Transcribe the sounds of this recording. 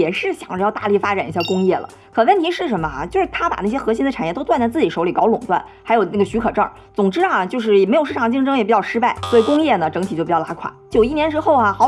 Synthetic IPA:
jɛ˨˩ʂɻ̩˥˩ɕjɑ˨˩ŋ˧jɑ˥˧ʊt̪a˥˧li˥˩fa˥ʈ͡ʂa˨˩ni˧˥ɕja˥˩kʊ˥ŋjɛ˥˩lə̰˩ | kʰə˨˩nwə˥˩nt̪ʰi˧˥ʂɻ̩˥˩ʂə˧˥mə̰˧˩t͡ɕjʊʂɻ̩˥˩t̪ʰa˥pa̰˨˩na˥˩ɕjɛ˥xɤ˧˥ɕ̬i˥nd̪ə˨ʈ͡ʂʰnjɛ˥˩t̪o˥ʊwnt͡sa˥˧t͡sɹ̩˥˩t͡ɕi˨˥ʂo˧˥ʊli˨˩kɑ˧˥ʊlʊ˨˩ŋt̪wa̰˥˩n | xa˧˥ɪjo˨˩ʊna˥˩ɡə˩ɕy˧˥kʰɤ˨˩ʈ͡ʂə̰˥˩ | t͡sʊ˨˩ŋʈ͡ʂɻ̩˥˨˩t͡ɕjo˥˧ʊʂ̬ɻ̩˥˩jɛ˨˩me˧˥ɪo˨˩ʊʂɻ̩ʰ˥˩ɑ˨˩ŋt͡ɕi˥˩ŋʈ͡ʂɤ˥ŋjɛ˨˩pi˨˩jɑ˥˩ʊʂɻ̩˥pa˥˩ɪswɔ˧˥i˧˩kʊ˥ŋjɛ˥˩nə˩ʈ͡ʂɤ˧˥ŋʰi˨˩t͡ɕo˥˩pi˨˩jɑ˥˩˧la˧˥kʰwa̰˨˩˦t͡ɕjo˨˩ʊi˥˩njɛ˧˥nʈ͡ʂɻ̩˥xo˥˩ʊɐ˩xɑ˧˥

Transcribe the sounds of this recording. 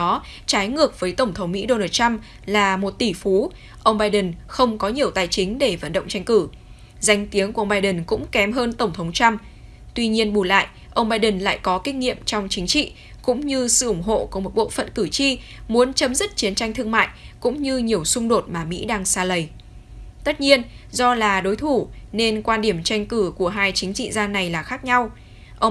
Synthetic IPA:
ɔ˨˦t͡ɕaː˨˦jŋɨ˨˩ək̚vəː˨˦jt̪ə˧˩ŋ͡mt̪ʰə˨˦wŋ͡mmḭ˧˥ɗo˧naː˧t̚t͡ɕa˧m | laː˨˩mo˨˩t̚t̪i˧˩fu˨˦ | ʔə˧wŋ͡mɓaː˧jɗə˨˩nxə˧wŋ͡mkɔ˨˦ɲi˨˩əwt̪aː˨˩jt͡ɕï˨˦ŋ̟ɗe˧˩və̰˧˩nɗə̰˧˨wŋ͡mt͡ɕa˧jŋ̟kɨ˧˩ | za˧jŋ̟t̪i˨˦əŋku˧˩ə˧wŋ͡mɓaː˧jɗə˨˩nkʊ̰˧˥ŋ͡mkɛ˨˦mɦəː˧nt̪ə˧˩ŋ͡mt̪ʰə˨˦wŋ͡mt͡ɕa˧m | t̪wi˧ɲi˧ənɓu˧˩la̰ː˧˨jʔ | ʔə˧wŋ͡mɓaː˧jɗə˨˩nla̰ː˧˨jkɔ˨˦kï˧ŋ̟ŋḭ˧˨əmt͡ɕɔ˧wŋ͡mt͡ɕï˨˦ŋ̟t͡ɕḭ˧˨ | kʊ̰˧˥ŋ͡mɲɨ˧sɨ̰˧˨ʔʊ˧˩ŋ͡mɦo̰˧˨ku˧˨˧mo˨˩t̚ɓo̰˧˨fə̰˧˨nkɨ˧˩t͡ɕi˧ | mu˨˦ənt͡ɕə˨˦mzi˦˥t̚t͡ɕi˨˦ənt͡ɕa˧jŋ̟t̪ʰɨ˧əŋma̰ː˧˨j | kʊ̰˧˥ŋ͡mɲɨ˧ɲi˨˩əwsʊ˧ŋ͡mɗo˨˩t̚maː˨˩mḭ˧˥ɗaː˧ŋsaː˧lə˨˩j | t̪ə˦˥t̚ɲi˧ənzɔ˧laː˨˩ɗo˨˦jt̪ʰu˧˩ne˧nkwaː˧nɗi˧˩əmt͡ɕa˧jŋ̟kɨ˧˩ku˧˩əɦaː˧jt͡ɕï˨˦ŋ̟t͡ɕḭ˧˨zaː˧na˨˩jlaː˨˩xaː˦˥k̚ɲa˧w | ʔə˧w

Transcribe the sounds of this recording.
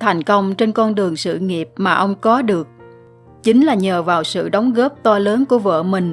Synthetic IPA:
t̪ʰa˨˩jŋ̟kə˧wŋ͡mt͡ɕe˧nkɔ˧nɗɨ˨˩əŋsɨ̰˧˨ŋi˨˩əp̚maː˨˩ʔə˧wŋ͡mkɔ˨˦ɗɨ˨˩ək̚ | t͡ɕï˨˦ŋ̟laː˨˩ɲəː˨˩vaː˨˩wsɨ̰˧˨ɗə˨˦wŋ͡mɣəː˦˥p̚t̪ɔ˧ləː˨˦nku˧˩əvə̰ː˧˨mï˨˩ŋ̟

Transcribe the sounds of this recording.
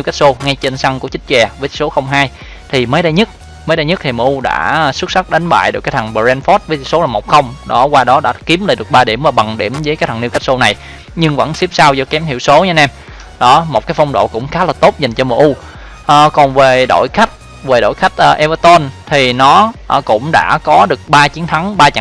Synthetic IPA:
n˧wka˦˥k̚so˧ŋa˧jt͡ɕe˧nsa˧ŋku˧˩ət͡ɕï˦˥t̚t͡ɕɛ˨˩vəː˨˦t̪ʰi̥˨˩so˨˦xə˧wŋ͡mɦaː˧j | t̪ʰi˨˩məː˨˦jɗə˧jɲɨ˦˥t̚ | məː˨˦jɗə˧jɲɨ˦˥k̚t̪ʰi˨˩məː˨˩ʔu˧ɗa̰ː˧˥swɨ˦˥t̚sa˦˥k̚ɗa˨˦jŋ̟ɓa̰ː˧˨jɗkaː˦jt̪ʰa˨˩ŋɓə˨˧˩zɛ˧nfɔ˦˥t̚vəː˨˦t̪ʰi˧˩so˨˦laː˨˩mo˨˩k͡p̚xə˧wŋ͡mɗɔ˨˦kwaː˧ɗɔ˨˦ɗa̰ː˧˥ki˨˦əmlaː˧˨˩ɗɨ˨˩ək̚ɓaː˧ɗi˧˩əmvaː˨˩ɓa˨˩ŋɗḭ˧˩əmzəː˨˦jka˦˥t̪̚ʰni˧wka˦˥k̚so˧na˨˩j | ɲɨ˧ŋvə̰˧˥nsi˦˥p̚saː˧wzə˧˦kɛ˨˦mhʰḭ˧˨əwso˨˦ɲa˧˦nɛ˧m | ɗɔ˨˦mo˨˩kaː˨˦jfa˧wŋ͡mɗo̰˧˨kʊ̰˧˥ŋ͡mxaː˨˦laː˨˩t̪o˦˥t̚za˨˩jŋ̟t͡ɕɔ˧məː˨˩ʔu˧ | ʔːkɔ˨˩nve˨˩ɗo̰˧˨jxa˦˥jk̚ | ve˨˩ɗo̰˧˨jxa˦˥jk̟̚ʔəː˨˧ʔɛ˧vəː˧t̪o˧nt̪ʰi˨˩nɔ˨˦ʔkʊ̰˧˥ŋ͡mɗa̰ː˧˥kɔ˨˦ɗɨ˨˩ək̚ɓaː˧t͡ɕi˨˦ənt̪ʰa˨˦ŋɓaː˧t͡ɕa̰˧˨

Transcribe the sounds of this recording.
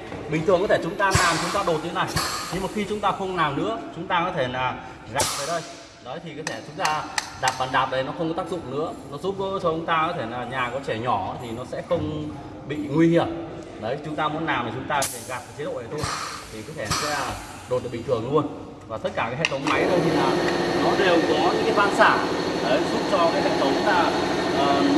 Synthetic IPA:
ɓï˨˩ŋ̟ʰɨ˨˩əŋkɔ˨˦t̪e˧˩t͡ɕʊ˨˦ŋ͡mt̪aː˧laː˨˩m˨t͡ɕʊ˨˦ŋ͡mt̪aː˧ɗo˨˩t̚ɲḭ˧˦na̰ː˧˨jɲɨ˧ŋmaː˨˩xi˧t͡ɕʊ˨˦ŋ͡mt̪aː˧xə˧wŋ͡mlaː˨˩mnɨ̰˧˥ət͡ɕʊ˨˦ŋ͡mt̪aː˧kɔ˨˦t̪ʰe˧˩aː˨˩ | ɣa˨˩p̚t̪ə˨˦ɗə˧j | ɗɔ˨˦jt̪ʰi˨˩kɔ˨˦t̪ʰɛ˧˩t͡ɕʊ˨˦ŋ͡mt̪aː˧ɗaː˨˩p̚ɓaː˨˩nɗaː˨˩p̚ɗə˨˩jnɔ˨˦xə˧wŋ͡mkɔ˨˦t̪aː˦˥k̚zʊ̰˧˨ŋ͡mnɨ̰˧˥ənɔ˨˦zu˦˥p̚o˧˦sɔ˧˩t͡ɕʊ˨˦ŋ͡mt̪aː˧kɔ˨˦t̪ʰe˧˩naː˨˩ɲaː˨˩kɔ˨˦t͡ɕɛ˧˩ɲɔ˧˩˨t̪ʰi˨˩nɔ˨˦sɛ̰˧˥xə˧wŋ͡m | ɓḭ˧˨ŋwi˧hi˧˩əm | ɗə˨˦jt͡ɕʊ˨˦ŋ͡mt̪aː˧mu˨˦ənːaː˨˩wmaː˨˩t͡ɕʊ˨˦ŋ͡mt̪aː˧kɔ˨˦t̪ʰɛ˧˩ɣaː˨˩p̚ːt͡ɕi˨˦˥ɗo̰˧˨ə˨˩t̪ʰo˧jt̪ʰi˨˩kɔ˨˦t̪ʰɛ˧˩nɔ˨˦sɛ̰˧˥˧ | ɗo˨˩t̚ɗə˨˩ɓi˨˩ŋ̟t̪ʰɨ˧˩ə˨ŋlu˧ən | vaː˨˩t̪ə˦˥t̚kaː˧˩kaː˨˦ɦḛ˧˨t̪ʰə˨˦wŋ͡mma˨˦jt̪ə˧jt̪ʰi˨˩laː˨˩nɔ˨˦ɗe˨˩wkɔ˨˦ɲɨ̰˧˥ŋkaː˨˦jvaː˧nsaː˧˩ɗə˨˦jzu˦˥p̚t͡ɕɔ˧kaː˨˦jhḛ˧˨t̪ʰə˨˦wŋ͡mlaː˨˧˩ | ʔəː˨˩

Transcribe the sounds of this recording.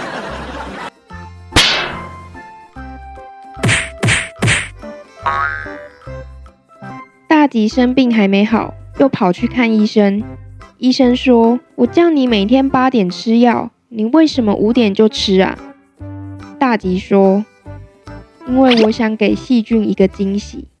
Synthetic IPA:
t̪a˥˩t͡ɕi˧˥ʂə˦npi˥˩ŋɦa˧˥ɪme˧˥ɪxɑ̰˨˩˦ʊjo˥˨˩ʊpʰɑ˨˩ʊt͡ɕʰy˥˧kʰa˥˨ni˥˩ʂə˦ŋi˥˧ʂə˦˥nʂwɔ˥wɔ˨˩t͡ɕjɑ˥˩ŋni˨˩me˨˩ɪt̪ʰjɛ˥npa˥t̪jɛ˨˩nʈ͡ʂʰɻ̩˦˥jɑ˥˩ʊ | ni˨˩we˥˩ɪʂə˨˧˦nmə̰˨ʔu˧˥t̪jɛ˨˩nt͡ɕjo˥˩ʊʈ͡ʂʰɻ̩˥a̰˨˩ | t̪a˥˩t͡ɕi˨˥ʂwɔ˥ | i˦˥nwe˥˩ɪwɔ˨˥ɕjɑ˧˥ŋke˨˩ɪɕi˥˧t͡ɕy˥˩ni˧˥ɡə˨t͡ɕi˦ŋɕḭ˨˦

